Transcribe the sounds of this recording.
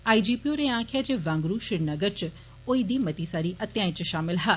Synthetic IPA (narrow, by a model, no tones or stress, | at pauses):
aːid͡ʒiːpioːɾeːãːkʰjaːd͡ʒeːʋãːŋɡɾuːʃɪɾnəɡəɾt͡ʃ | oːiːd̪iːmət̪iːsaːɾiːʔət̪jaːĩːt͡ʃʃaːmɪlɦaː